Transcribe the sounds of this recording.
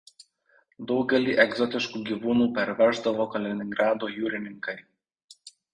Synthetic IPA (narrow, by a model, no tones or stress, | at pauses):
d̪ɒʊɡʲɛlʲiːʔɛɡzɔt̪ʲɪʃkuːɡʲiːʋuːnuːpʲɛɾʲʋʲɛɾʒd̪ɐʋoːkɐlʲɪnʲɪŋɡɾʔɑːd̪oːjuːɾʲɪnʲɪŋkɐɪ